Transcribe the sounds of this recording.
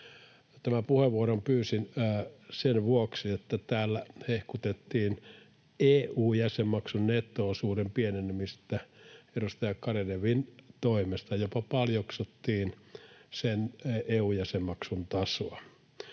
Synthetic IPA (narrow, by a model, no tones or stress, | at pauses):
jot̪æmæpuheʋʋuorompyːsinːsenʋuoksiet̪ːæt̪æːlːæhehkut̪et̪ːiːn | eːuːjæsemːɑksunnet̪ːˑoːsuːrempienenːimist̪ːæerust̪eɑkkɑreleʋint̪oimest̪ɑjopɑpɑljoksut̪ːiːnseneːujæsemːɑksunt̪ɑsoɑ